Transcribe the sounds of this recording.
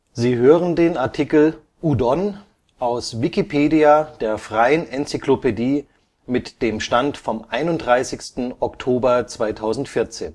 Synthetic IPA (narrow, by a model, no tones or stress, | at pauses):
ziːɦøːʁəndeːnaɐtʰikl̩ | ʔudɔn | ʔaʊsvikipʰeːdiad̥eːɐfʁ̥aɪənʔɛnt͡siklopediː | mɪtd̥eːmʃtantfɔmʔaɪnʊntdʁaɪsɪçstn̩ɔktʰoːbɐt͡sv̥aɪtʰaʊzn̩tfɪɐt͡sḛːn